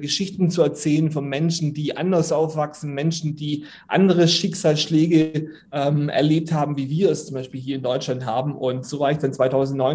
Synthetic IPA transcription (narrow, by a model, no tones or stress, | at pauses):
ɡəʃɪçtn̩t͡suɛɐt͡sɛːlənfɔnmɛnʃn̩diːʔa̰ndɐsʔaʊfv̥aksn̩mɛnʃn̩diː | ʔa̰ndəʁəʃɪksaːlsʃlɛːɡə | ʔɛːmʔɛ̰ɐleːp̚thaːbm̩viːviːɐɛst͡sʊmbaɪʃpiːlɦiːɐɪndɔʏt͡ʃlantɦaːbm̩ʔʊntz̥oːvaːɐɪçd̥ant͡sv̥aɪtʰaʊzn̩tnɔʏ